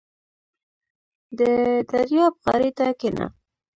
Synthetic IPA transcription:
d̪əd̪aɾjɑb̚ɣa̰ɾit̪akɪna̰

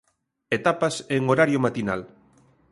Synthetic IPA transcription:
et̪apɐseŋoɾaɾjomat̪ina̰l

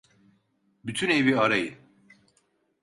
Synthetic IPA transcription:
byt̪ʰyne̞viaɾajɯn

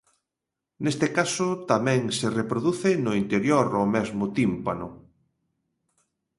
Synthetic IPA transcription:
nest̪ɪkasʊt̪amɛ̃ŋserepɾoðuθɪnʊint̪eɾjoɾomɛzmʊt̪impanʊ̰

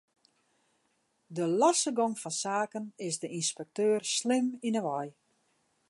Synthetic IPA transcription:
dəlasəɡɔŋfɔnsaːkənɪsdəʔinspɛk̚tøːrslɪminəʋɔj

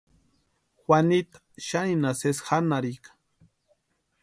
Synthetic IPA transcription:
xwanit̪ḁ | ʃaninasesxanaɾikḁ

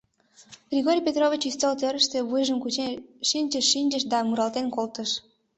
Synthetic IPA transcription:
b̥rʲiɣoɾʲpʲet̪roβʲit͡ɕyst̪olt̪øɾəʃt̪ĕβujʒəmkut͡ɕeʃinʲt͡ɕəʃːinʲd͡ʑəʃd̪ɑmuɾɑlt̪enkolt̪əʃ

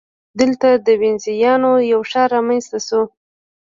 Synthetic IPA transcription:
d̪əlt̪ad̪əwɪnzijɑnojawʃɑɾɑmanst̪aso

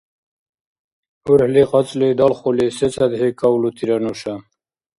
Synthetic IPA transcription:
uɾhleqɑt͡sled̪ɔlχoleset͡sad̪ɦekawlut̪iɾanoɕa

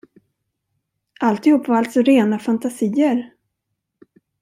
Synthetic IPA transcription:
ʔalt̪ɪhuːpːvaalt̪sɔɾeːnafant̪asiːəɾ

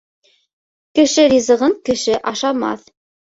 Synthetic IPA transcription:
kɘ̆ʃɘɾʲizɤ̆ʁɤɴkɘ̆ʃɘʔɑʃɑmɑ̰θ

